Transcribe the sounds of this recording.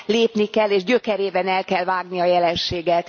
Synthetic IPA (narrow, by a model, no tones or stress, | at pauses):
leːpnikɛlːeːʒɟø̞kɛɾeːbɛnɛlkɛlvaːɡniɒjɛlɛnʃeːɡɛt̪